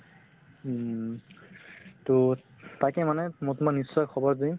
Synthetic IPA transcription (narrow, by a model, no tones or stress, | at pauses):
to | tajkɛmanɛmotumanːisːɔjkʰɔbɔɹzuj